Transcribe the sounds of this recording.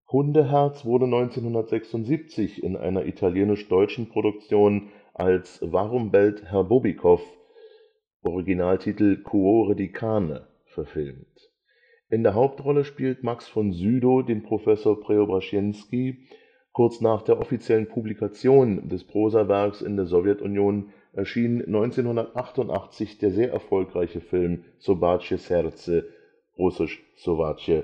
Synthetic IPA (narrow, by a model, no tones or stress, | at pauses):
hʊndəɦɛɐt͡sv̥ʊɐdənɔʏnt͡seːnhʊndɐtz̥ɛksʊntz̥iːp̚t͡sɪçɪ̰nʔa̰ɪnɐʔḭtʰaljeːnɪʃd̥ɔʏt͡ʃn̩pʁ̥oɾʊk̚t͡sjoːn | ʔalsvaʁʊmbɛlthɛɐbobikʰɔf | ʔɔʁiɡinaːltʰiːtl̩kʰuoʁədikʰaːnə̰ | fɛɐfɪlmt | ʔɪndeːɐɦaʊp̚tʁɔləʃpiːltmaksfɔnzyːdodeːnpʁ̥ofɛsoːɐpʁ̥eobʁaʃjɛnski | kʰʊɐt͡snaːχd̥eːɐʔɔfit͡sjɛlənpʰublikat͡sjoːndɛspʁ̥oːzavɛɐksɪ̰ndeːɐzɔvjɛtʊnjoːn | ʔɛɐʃiːnənːɔʏnt͡seːnhʊndɐtʔaχtʊntʔa̰χt͡sɪçd̥eːɐzeːɐʔɛɐfɔlkʁaɪçəfɪlm | sobaːt͡ʃəsɛʁt͡sə | ʁʊsɪʃ | sovat͡ʃə